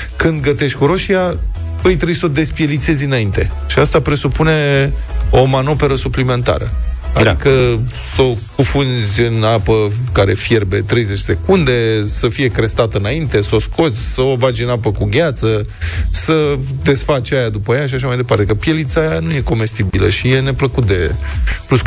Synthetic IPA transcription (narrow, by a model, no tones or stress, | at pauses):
kɨnd̪ɡət̪e̞ʃt̪ʲkuɾo̞ʃija | vəjt̪ɾeujso̞d̪e̞spje̞lit̪se̞zʲɨnaint̪e̞ | ʃiast̪apɾe̞supune̞ | o̞mano̞pe̞ɾəsuplime̞nt̪a̰ɾə̰ad̪ikə | sokufunzʲɨnapəkaɾe̞fjerbe̞t̪ɾe̞jzet͡ʃse̞kund̪e̞səfije̞kɾe̞st̪at̪ɨnaint̪e̞səo̞skʰo̞t̪sʲsəovad͡ʒʲɨnapəkuɡʲat̪sə | səd̪e̞sfat͡ʃajad̪upəjaʃiaʃamajd̪epart̪e̞kəpije̞lit̪sajanuje̞ko̞me̞st̪ibilə̰ʃije̞ne̞pləkut̪̚d̪e̞pus